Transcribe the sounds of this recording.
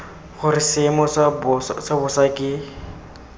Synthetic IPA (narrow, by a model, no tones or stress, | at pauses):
χʊrɪsɪmɔsabʊssabʊsakʼɪ